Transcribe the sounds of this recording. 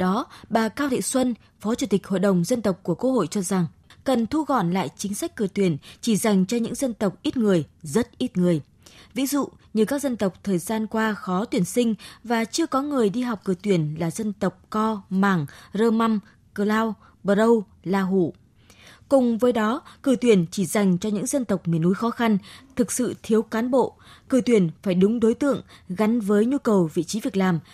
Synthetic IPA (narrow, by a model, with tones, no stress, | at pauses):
ɗɔ˨˦ɓaː˨˩kaː˧wɗḛ˧˨swə˧n | fɔ˨˦t͡ɕu˧˩t̪i˨˩k̟̚ho̰˧˨jɗə˨˩wŋ͡mzə˧nt̪ə˨˩wk͡p̚ku˧˩əku˧˥ho̰˧˨jt͡ɕɔ˧za˨˩ŋ | kə˨˩nt̪ʰu˧ɣɔ̰˧˨nla̰ː˧˨jt͡ɕï˨˦ŋ̟sa˦˥k̟̚kɨ˧˩ət̪wi˧˩ənt͡ɕi˧˩za˨˩jŋ̟t͡ɕɔ˧ɲɨ̰˧˥ŋzə˧nt̪ə˨˩wk͡p̚ʔi˦˥t̚ŋɨ˨˩əjzə˦˥t̚ʔi˦˥t̚ŋɨ˨˩əj | vḭ˧˥zṵ˧˨ | ɲɨ˨˩kaː˦˥k̚zə˧nt̪ə˨˩wk͡p̚t̪ʰəː˨˩jzaː˧nkwaː˧xɔ˨˦t̪wi˧˩ənsï˧ŋ̟vaː˨˩t͡ɕɨ˧əkɔ˨˦ŋɨ˨˩əjɗi˧ɦa˨˩wk͡p̚kɨ˧˩t̪wi˧˩ənlaː˨˩zə˧nt̪ə˨˩wk͡p̚kɔ˧maː˧˩ŋzəː˧ma˧m | kə˧˩laː˧w | ɓəː˨˧˩ə˧w | laː˧ɦṵ˧˩ | kʊ˨˩ŋ͡mvəː˨˦jɗɔ˨˦kɨ˧˩t̪wi˧˩ənt͡ɕi˧˩za˨˩jŋ̟t͡ɕɔ˧ɲɨ̰˧˥ŋzə˧nt̪ə˨˩wk͡p̚mḭ˨˧˩ənu˨˦jxɔ˨˦xa˧nt̪ʰɨ˨˩k̚sɨ̰˧˨t̪ʰi˨˦əwkaː˨˦nɓo̰˧˨kɨ˧˩t̪wi˧˩ənfaː˧˩jɗʊ˨˦ŋ͡mɗo˨˦jt̪ɨ̰˧˨əŋɣa˨˦nvəː˨˦jɲu˧kə˨˩wvḭ˧˨t͡ɕi˨˦vi˨˩ək̚laː˨˩m